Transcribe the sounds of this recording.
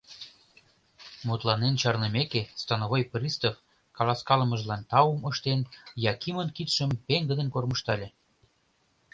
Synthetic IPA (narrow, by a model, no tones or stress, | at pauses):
mot̪lɑnent͡ɕɑrnə̆mekest̪ɑnoɣojprʲist̪of | kɑlˠɑskɑlə̆məʒlɑnt̪ɑuməʃt̪enjɑkimənkit̪ʃəmpeŋɡə̆d̪ə̆nkorməʃt̪ɑlʲĕ